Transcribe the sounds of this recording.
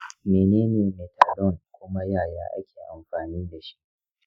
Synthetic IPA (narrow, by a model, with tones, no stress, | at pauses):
meː˨neː˦neː˨meː˨ta˨lɔ˦˨nkʷʊ˦ma˦jaː˦˨ja̰ː˦ʔa̰˦kʲeː˨ʔa˨mɸaː˨niː˦da˨ʃi̥˦ʔʔ